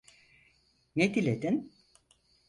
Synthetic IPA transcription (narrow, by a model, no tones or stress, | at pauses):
ned̪ilʲed̪in